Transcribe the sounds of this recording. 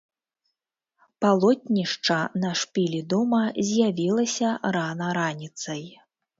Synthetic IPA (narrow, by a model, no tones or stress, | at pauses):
palˠɔt̪̚ʲnʲiʂt͡ʂɐnɐʂpʲilʲid̪ɔmɐzʲjavʲilˠɐsʲɐɾanɐɾanʲit̪sɐj